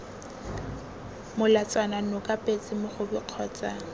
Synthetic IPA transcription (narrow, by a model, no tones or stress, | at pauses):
mʊlat͡sʼwananʊkʼapʼet͡sʼɪmʊχʊbɪq͡χʰɔːt͡sʼa